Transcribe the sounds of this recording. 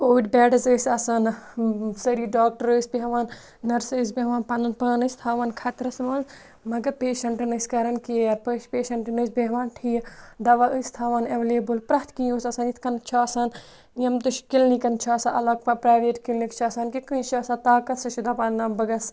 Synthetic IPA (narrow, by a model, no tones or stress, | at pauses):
oːʈʲbʲɛːɖɐzəːsʲɐsan | sɐɾiːɖoːk̚ʈɐɾəːsʲbiɦɐʋaːnː | ɐɾsɨːs̬bʲeɦʋaːnpɐnɐnpɐːnəsʲt̪ʰaːʋaːnkʰɐt̪ɾɐsmɐːnz | mɐɡɐɾpeːʃɐɳʈɨnɐsʲkɐɾɐnkiɐɾpəːʃpeːʃɐɳʈnɨsbeɦʋaːnʈʰijd̪ɐʋaʔəsʲt̪ʰaːʋaːneʋeleːbɨlpɾɐht̪ʰkioːsɐsaːnit̪ʰkɐnt͡ʃʰaːsaːn | jɐmt̪uʃkilnikɐnt͡ʃʰaːsãʔɐlɐɡ̚pɐpɾaːʋeːʈkilnikt͡ʃʰaːsaːnkikɨ̃nʃaːsãːt̪aːkɐt̪sɐʃud̪aːpɐnnɐːmbɐɡɐs